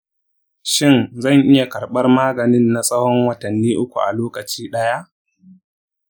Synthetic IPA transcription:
ʃɪ˦nzɐ˦˨ŋʔɪ˦ja˨kɐ˨rɓɐ˦rmaː˦ɡɐ˨nɪ˦nːa˨sʼɐ˦hɔ˦ŋwɐ˨tɐ˨nːiː˦ʔʊ˦kʷṵ˨ʔa̰˨loː˦kɐ˨t͡ʃiː˦ɗɐ˦ja˦ʔ

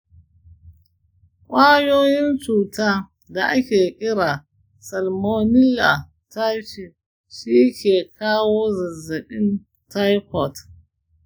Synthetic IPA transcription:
kʷʼaː˦joː˦ji˦nt͡ʃuː˨ta˦ | da˨ʔa˦kʲe˨ʔʲɪ˦ɾa˨ | sɐ˨lmo˦ni˦la˨ | ta˦ʃi˨ | ʃiː˦kʲe˨kʰaː˦wo˦zɐ˨zɐ˨ɗɪ˦n | ta˦jkɔ˨t

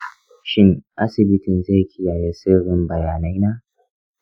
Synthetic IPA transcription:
ʃɪ˦ŋʔa˦sɪ˨bɪ˦tɪ˨nze˦˨kʲʰɪ˦jaː˨jeː˦sɪ˦ɽɪ˦mbɐ˨jaː˨na˦jnaː˦

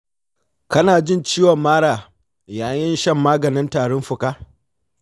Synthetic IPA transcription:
kɐ˦naː˨d͡ʒɪ˦˨nt͡ʃiː˦wɔ˨mːaː˦ɽaː˨ | jaː˨jɪ˦nʃɐ˦˨mːaː˦ɡɐ˨nɪ˦ntaː˨ɽɔ˦mɸʊ˨kaː˦

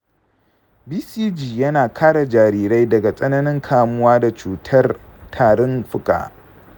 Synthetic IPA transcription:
biː˦siː˦d͡ʒiː˨jɐ˦naː˨kʰaː˦ɽa˨d͡ʒaː˨ɾiː˦˨ɾa˦jdɐ˨ɡa˨sʼɐ˦nɐ˦nɪ˦ŋkʰaː˨mʊ˦waː˦da˨t͡ʃuː˨tʰɐ˦rtʰaː˨ɽɔ˦nɸʊ˦kʼa̰ː˨ʔ

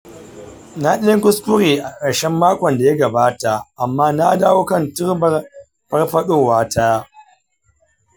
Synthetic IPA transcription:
na˦ɗɪ˦ɪ˦ŋkʷʊ˦skʷʊ˦ɾeː˨ʔa˨kɐ˨ʃɛ˦mːaː˦kʷɔ˨nda˨ja˦ɡɐ˨baː˦ta˨ʔa˨mːaː˦na˦daː˦woː˦kɐ˦ntʊ˦ɾbɐ˦ | ɸɐ˦rɸɐ˦ɗoː˦˨waː˦taː˦

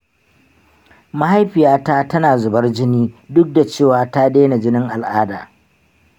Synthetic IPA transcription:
ma˦ha˦jɸɪ˨jaː˦taː˦tɐ˦naː˨zʊ˨bɐ˦rd͡ʒɪ˦niː˦dʊ˦k̚da˨t͡ʃeː˦˨waː˨ta˦ɗeː˦na˨d͡ʒɪ˦nɪ˦ŋʔa˨lʔaː˦da̰ː˨

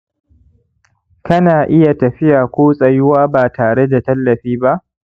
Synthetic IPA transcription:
kɐ˦naː˨ʔɪ˦ja˨tɐ˨ɸɪ˦jaː˨kʷoː˦sʼɐ˦˨jʊ˦waː˦baː˨tʰaː˨ɽe˦da˨tɐ˦lːɐ˨ɸiː˦ba˦ʔ

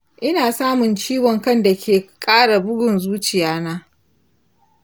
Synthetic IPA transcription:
ʔɪ˦naː˨saː˦mʊ˨nt͡ʃiː˦wɔ˨ŋkɐ˦nda˨kʲʰeː˨kʼaː˦ɽa˨bʊ˦ɡʷʊ˨nzuː˦t͡ʃɪ˨jaː˦naː˦

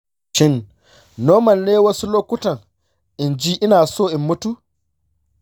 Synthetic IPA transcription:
ʃɪ˦n | nːoː˦mɐ˨nːeː˦wɐ˦su˦loː˦kʷʊ˦tɐ˨ŋ | ʔɪ˨nd͡ʒiː˦ʔɪ˦naː˨soː˦˨ʔɪ˨mːʊ˦tu˦ʔ

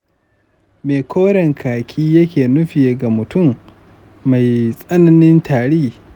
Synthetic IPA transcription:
meː˨kʷʰoː˦ɽɛ˨ŋkʰaː˨kʲʰiː˦jɐ˦kʲeː˨nʊ˦ɸɪ˨je˨ɡa˨mʊ˨tʊ˦˨mː | a˨jsʼɐ˦nɐ˦nɪ˦ntʰaː˨ɽiː˦

